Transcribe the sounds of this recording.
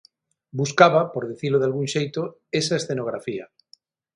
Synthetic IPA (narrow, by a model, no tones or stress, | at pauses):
buskaβapoɾðiθiloðalɣuŋʃejt̪oesaesθenoɣɾafia̰